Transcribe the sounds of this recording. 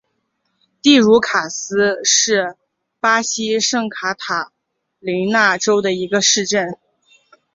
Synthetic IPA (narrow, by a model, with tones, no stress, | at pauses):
t̪i˥˩ɻu˧˥kʰa˨˩sɹ̩˥ʂɻ̩˥˩ | pa˥ɕi˥ʂɤ˥˩ŋkʰa˧˥t̪ʰa˨˩˦ | li˧˥na˥˩ʈ͡ʂo˥ʊd̪ə˨i˧˥ɡə˧ʂɻ̩˥˧ʈ͡ʂə˥˩n